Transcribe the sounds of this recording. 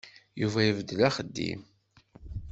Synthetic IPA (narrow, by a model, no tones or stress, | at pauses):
juvæjəvəd̪ːəlæχəd̪ːḭm